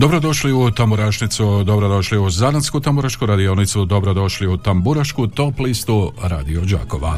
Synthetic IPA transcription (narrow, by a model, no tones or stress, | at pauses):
d̪o̞bɾo̞d̪o̞ʃliut̪ambuɾaʃnit̪sud̪o̞bɾo̞d̪o̞ʃliuzananskut̪ambuɾaʃkuɾad̪ionit̪sud̪o̞bɾo̞d̪o̞ʃliut̪ambuɾaʃkut̪o̞plist̪uɾa̰ːd̪iod͡ʒa̰ːko̞ʋa̰